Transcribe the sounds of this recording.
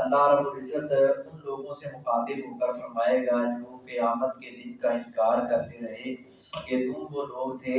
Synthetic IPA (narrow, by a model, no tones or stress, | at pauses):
ɐlːaɦɾəbbʊlɪzət̪ʊnloːɡõsemʊxaːt̪ɪbɦoːkəɾfɐɾmaːeɡaːd͡ʒokɐjaːmət̪kelɪkkaɪnkaːɾkɐɾt̪eɾɐɦe | ket̪ũboloːɡt̪ʰeː